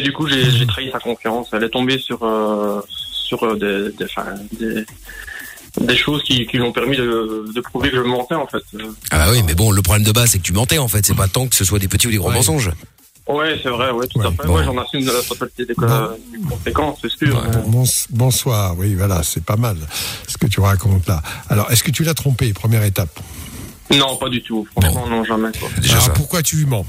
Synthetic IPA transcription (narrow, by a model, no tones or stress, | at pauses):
ed̪ykuʒeʒet̪χaisakɔ̃fjɑ̃sɛlɛt̪ɔ̃besyʁø | syʁød̪ed̪fɛ̰̃d̪e | d̪eʃozkʲikʲilyɔ̃pɛʁmid̪əd̪əpχuvekəʒəmmɑ̃t̪ɛɑ̃fɛt̪a̰ba̰wimɛbɔ̃ləpχɔblɛmd̪əbazsɛkət̪ymɑ̃t̪ɛɑ̃fɛt̪sɛpat̪ɑ̃kə̥səswad̪epət̪iud̪eɡʁomɑ̃s̬ɔ̃ʒ | wɛsɛvʁɛwɛt̪ut̪afɛwɛʒɑ̃nasymd̪əlafɔt̪alit̪ed̪ekd̪ykɔ̃sekɑ̃søskỹbɔ̃sbɔ̃swaːʁwivwala̰sɛpamalsə̥kət̪yʁakɔ̃t̪laalɔʁɛskət̪ylat̪χɔ̃pepχəmjɛʁet̪ap | nɔ̃pad̪yt̪ufχɑ̃ʃmɑ̃nɔ̃ʒamɛkwa̰d̪ḛʒɔʁpuʁkwat̪ylymɑ̃